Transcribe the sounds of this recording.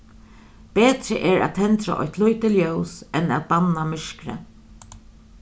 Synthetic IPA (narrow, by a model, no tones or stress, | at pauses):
peːt̪ɾəʔɛɹæ̰ːt̪t̪ʰɛnt̪ɾa̰ʔɔ̰jht̪lujt̪ɪljœːwsɛnæːt̪̚banamɪʂkɾə̰